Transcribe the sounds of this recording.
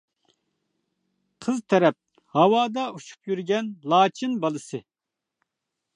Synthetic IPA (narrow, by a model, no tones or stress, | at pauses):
qʰəzt̪ʰɛɾɛp̚ | hɑwɑːd̪ɑut͡ʃʰu̥pjyɾɡʲɛnlˠɑːt͡ʃʰɨnbɑlˠɨsɨ